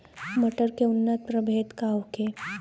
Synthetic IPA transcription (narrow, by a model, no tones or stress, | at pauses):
məʈəɾkeunːət̪̚pɾəbʱet̪kawke